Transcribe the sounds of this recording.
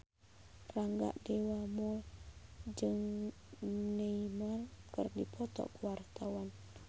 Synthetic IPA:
raŋɡa̰ʔdewamɔl | d͡ʒəŋ | neimalkə̰rdipʰɔt̪ɔ̰ʔkəwart̪awan

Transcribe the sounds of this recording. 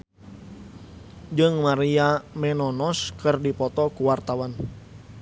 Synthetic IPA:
d͡ʒɨŋmaɾiamɛnɔnɔskɨrdipɔt̪ɔkuwart̪awan

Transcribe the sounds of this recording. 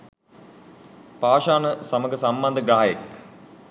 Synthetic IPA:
paːʃaːnəsaməɡəsambaɐnd̪əɡɾaɦajek

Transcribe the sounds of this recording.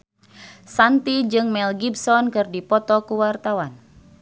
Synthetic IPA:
sant̪id͡ʒɨŋmɛlɡibsɔnkɨrdipɔt̪ɔkuwart̪awan

